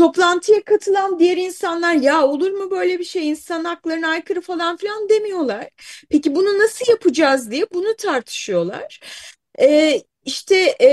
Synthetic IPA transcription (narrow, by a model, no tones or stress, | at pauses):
t̪ʰo̞plˠant̪ʰɯjakʰat̪ʰɯlˠand̪ijæɾinsanlˠaɾjaːo̞lˠuɾmubø̞jlʲebiʃejinsanaklˠaɾɯnajkʰɯɾɯfalˠanfilʲand̪e̞mijo̞lˠaɾ̥pʰecibununasɯljapʰɯd͡ʒazd̪ijɛbunut̪ʰaɾt̪ʰɯ̥ʃɯjo̞lˠa̰ɾ̥ | ɛː | iʃt̪ʰɛ